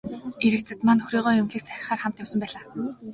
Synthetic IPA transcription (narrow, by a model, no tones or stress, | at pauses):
eɾɘ̆k̚t͡sɘ̆t̪manɵxriːʁɔːjʊmɮĭkt͡sʰæxʲɪ̆χaːrχam̥t̪jamsə̆mpæːɮaː